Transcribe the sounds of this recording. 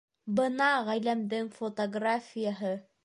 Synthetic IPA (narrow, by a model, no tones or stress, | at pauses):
bɤnɑʁæjlæmd̪ɘŋfot̪oɡrafʲɪjəɦɤ